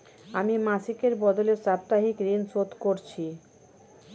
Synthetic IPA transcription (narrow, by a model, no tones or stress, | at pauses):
amimasikeɾbɔd̪olesab̚t̪aɦikɾinsot̪koɾt͡ɕʰi